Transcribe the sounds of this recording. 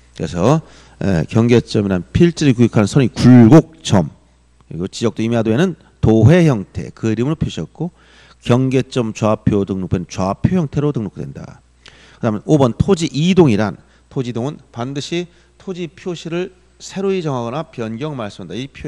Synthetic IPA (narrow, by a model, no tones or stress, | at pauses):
kɯɾe̞sʰʌ | ḛkjʌŋɡe̞t͡ɕ͈ʌmiɾanpʰiɭt͡ɕ͈iɾiɭkuikʰanɯnsʰʌɲikuɭɡok̚t͡ɕ͈ʌm | kɯɾiɡot͡ɕid͡ʑʌk̚t͈oimiadoenɯn | toɦe̞çjʌŋtʰe̞̰kɯɾimɯɾopʰjoɕʰʌ̰t̚k͈o | kjʌŋɡet͡ɕ͈ʌmt͡ɕwapʰjodɯŋnok̚wenɯnt͡ɕwapʰjoçjʌŋtʰe̞ɾotɯŋnok̚tdwe̞̰nda̰ | kɯdamjʌnobʌntʰod͡ʑiʔidoŋiɾan | tʰod͡ʑidoŋɯnpandɯɕʰi | tʰod͡ʑipʰjoɕʰiɾɯɭ | sʰe̞ɾoid͡ʑʌŋɦaɡʌnapjʌnɡjʌŋmaɭs͈ɯmandaipʰo